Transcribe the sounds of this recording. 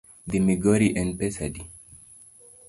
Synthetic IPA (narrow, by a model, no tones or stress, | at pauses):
d̪imiɡɔɾiʔɛ̃npɛsadi